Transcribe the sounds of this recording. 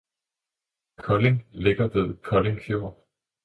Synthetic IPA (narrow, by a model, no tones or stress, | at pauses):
kʰɒ̽leŋleɡ̥ɐd̥eð̰ˠkʰɒ̽le̝ŋkʰjoɐ̰